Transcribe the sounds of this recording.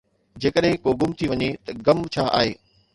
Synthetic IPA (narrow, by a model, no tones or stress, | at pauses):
d͡ʑeːkəɗɦɪ̃koɡʊmt̪ʰiʋɐɲet̪ɐɡɐmt͡ɕʰaːʔa̰ːɦeː